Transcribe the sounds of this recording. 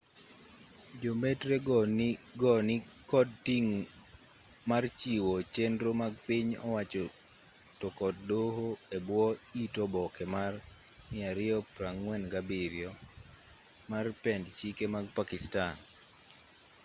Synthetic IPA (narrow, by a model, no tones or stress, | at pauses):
d͡ʒometɾeɡɔɡɔnɪ | kɔdtiŋ | mart͡ʃiwɔt͡ʃendɾomaɡ̚piɲɔ̰wat͡ʃɔ | tɔkɔddoɦoebwɔitɔbɔkɛmar | mɪaɾɪɔpɾaŋːwɛnɡabiɾjɔ | marpɛndt͡ʃikemaɡ̚pakistan